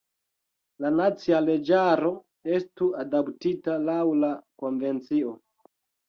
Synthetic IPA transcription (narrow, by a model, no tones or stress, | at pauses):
lanat͡siale̞d͡ʒaɾo̞ | e̞stuadaptitalawlako̞nve̞nt͡sio